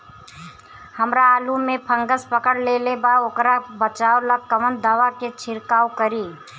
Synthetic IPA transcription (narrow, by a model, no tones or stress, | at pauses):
həmɾaːlumepʰə̃ŋɡəspəkəɽlelebaokɾabət͡ʃaoləɡ̚kəmənd̪aʋaket͡ʃʰiɾkawkəɾi